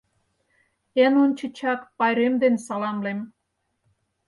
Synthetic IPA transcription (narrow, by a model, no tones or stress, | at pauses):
enunt͡ɕə̆t͡ɕɑkpɑjɾemd̪ensɑlɑmlem